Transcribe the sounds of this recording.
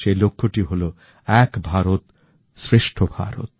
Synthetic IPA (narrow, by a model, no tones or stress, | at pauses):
ʃelokʰːoʈiɦolo | ɛkbʱaɾot̪ | sɾeʃʈʰobʱa̰ɾo̰t̪̚